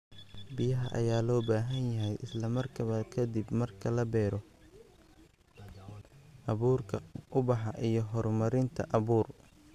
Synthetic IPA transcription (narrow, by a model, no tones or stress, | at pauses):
bɪjɐɦɐʔɐ̰jaːlɔːbaːɦɐnjɐɦɛjʔɪslɐmɐrkʰɐβɐkʰɐd̪ibmɐrkʰɐlɐbɛːɾɔ | ʔɐβuːrkʰɐʔʊbɑħɑʔijɞɦɔrmɐɾɪnt̪ʰɐʔɐβuːr